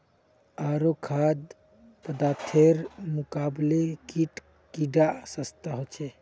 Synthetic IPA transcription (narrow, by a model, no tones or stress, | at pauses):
aɾokʰad̪ | pəd̪at̪ʰeɾmukablekiʈ | kiɖasəst̪aɦot͡ʃʰɛ